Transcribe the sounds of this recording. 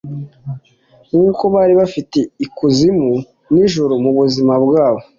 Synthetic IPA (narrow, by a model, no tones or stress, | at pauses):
ŋuːko̞βaːɾiβafite̞ikuzimu | niʒuɾumuβuzimabɡaːβo